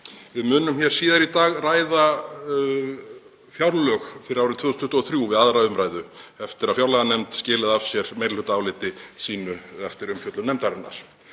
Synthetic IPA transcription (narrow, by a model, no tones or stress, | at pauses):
vɪðmʏːnʏmçɛɾ̥siːðaɾit̪aːɣraːjða | fjawɾlœxfɪɾɪɾawɾɪt̪ʰvʏːðʏsnʰʏht̪ɔθɾjuvɪðaðɾaʏmɾajðʏɛft̪ɪɾaðfjawɾlaɣanɛmt̪scɪːlɪðav̥sjɛɾ̥mejɾlʏt̪aːwlɪt̪ɪsiːnʏɛft̪ɪɾʏmfjœt̪lʏnɛmt̪aɾɪna̰ɾ̥